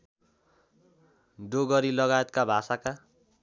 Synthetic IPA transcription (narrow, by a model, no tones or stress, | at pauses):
ɖoɡʌɾilʌɡaet̪̚kabʱasaka